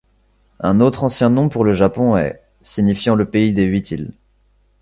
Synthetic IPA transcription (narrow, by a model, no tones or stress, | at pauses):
ɛ̃not̪χɑ̃sjɛ̃nɔ̃puʁləʒapɔ̃ɛ̰ | siɲifjɑ̃ləpeid̪eɥit̪ʰil